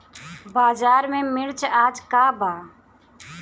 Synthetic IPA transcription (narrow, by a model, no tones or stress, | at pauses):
baːzaːɾmẽːmɪɽt͡ʃʰaːd͡ʒkaːbaː